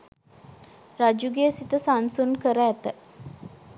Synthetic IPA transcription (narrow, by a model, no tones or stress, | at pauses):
rad͡ʒuɡeːsit̪əsansunkəɾəːt̪ə